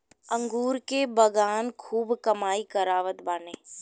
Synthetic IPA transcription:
ɐ̃ŋɡuːɾkebɐɡaːnkʰuːbkɐmaːikɐɾaːʋət̪baːneː

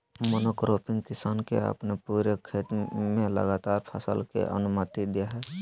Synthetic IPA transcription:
moːnokɾoːpʰɪ̃ŋɡkɪsaːnkḛə̰pnepuːɾekʰeːt̪mẽlə̰ɡaːt̪aːɾpʰə̰sə̰lkḛʔə̰nʊmət̪id̪ijaɦɛː

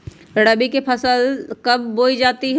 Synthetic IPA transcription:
əɽabikepʰəsəlkɐbːoːid͡ʒaːt̪iɦɛ

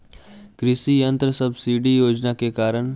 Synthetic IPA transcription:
kɾɪsijə̃nt̪ɾəsɐbsiɖijoːd͡ʒnakekaːɾəɽ̃

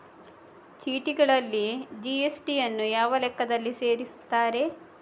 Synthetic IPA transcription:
t͡ʃiːʈiɡɐɭɐlːid͡ʒiesʈijɐnːujaːʋɐlɛkːɐd̪ɐlːise̞ːɾist̪ːaːɾe̞

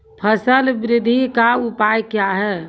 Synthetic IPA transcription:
pʰəsəlbɾɪd̪ʱikaupajkjaɦɛ

